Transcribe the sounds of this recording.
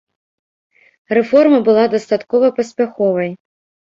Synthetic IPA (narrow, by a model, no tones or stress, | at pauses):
rɛfɔrmɐbɨlˠad̪ɐst̪at̪kɔvɐpɐsʲpʲaxɔvɐj